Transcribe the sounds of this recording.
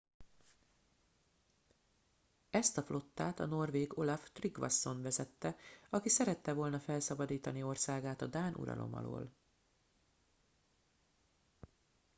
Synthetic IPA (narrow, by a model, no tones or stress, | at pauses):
ɛst̪ɒflʔo̞t̪ːaːt̪ɒno̞rveːɡo̞lɒft̪riɡʋɒ̰sːo̞nvɛzɛt̪ːɛɒkisɛɾɛt̪ːɛvo̞lnɒfɛlsɒbɒd̪iːt̪ɒnio̞rsaːɡaːt̪ɒd̪aːnʔṵɾɒ̰lʔo̞̰mɒ̰lo̰ːl